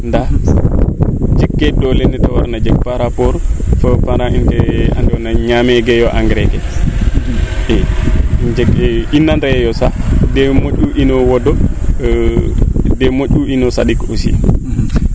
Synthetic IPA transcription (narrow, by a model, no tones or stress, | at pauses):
nda | d͡ʒɛkːɛdɔlɛnɛtawaɾnad͡ʒɛk̚paɾapɔɾfɔpaɾainkɛa̰ndɛwɔnaɲamɛɡɛjɔʔaŋɡɾɛɡɛ | ɛ | d͡ʒɛkinːandaɛjɔsadɛmoʔuʔinɔwɔdɔ | dɛmoʔuinɔsaɗikosḭa̰